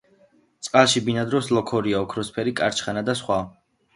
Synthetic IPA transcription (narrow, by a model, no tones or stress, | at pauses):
t̪sʼqʼalˠʃibinad̪ɾɔslɔkʰɔɾiaɔkʰɾɔspʰɛɾikʼaɾt͡ʃʰχanad̪asχwa